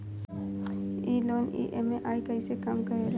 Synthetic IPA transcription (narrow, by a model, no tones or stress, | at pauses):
iːloːnḭʔemẽʔaːikɐisekɐmkɐɾeːl